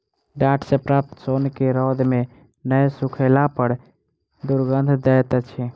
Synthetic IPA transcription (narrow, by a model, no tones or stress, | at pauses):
ɖaʈʰsẽpɾaːp̚t̪sonkeɾɔd̪me | nəjsukʰəlapəɾ | d̪uɾɡənd̪ʱd̪ɛt̪t͡ʃʰɛ